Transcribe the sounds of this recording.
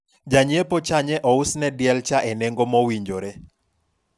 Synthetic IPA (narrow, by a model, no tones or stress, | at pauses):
d͡ʒaɲepot͡ʃaɲɛʔɔusnɛdjɛlt͡ʃaʔɛneŋɡomɔwiɲd͡ʒoɾe